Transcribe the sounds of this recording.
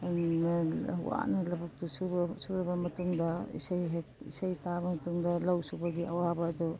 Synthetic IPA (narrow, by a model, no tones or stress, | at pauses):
ṵwa̰nalɐbuk̚tususubbɐmɐtuŋdɐḭsajɦekḭsajtabɐmɐtuŋdɐlawsubaɡiʔɐwabɐːdɔ